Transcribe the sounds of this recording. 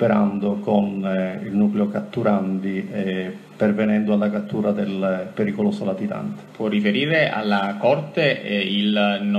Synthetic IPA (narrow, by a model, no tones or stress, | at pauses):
peɾand̪okonilnukleokat̪ːuɾand̪i | pervenɛnd̪oalːakat̪ːuːɾad̪elpeɾikolosolat̪it̪a̰nt̪e̥pwɔrːifeɾiːɾeʔa̰lːakɔrt̪eiln